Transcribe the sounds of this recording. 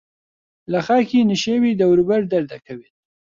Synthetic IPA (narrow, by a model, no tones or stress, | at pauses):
laxɑkinɪʃewid̪awɾubaɾd̪aɾd̪akawi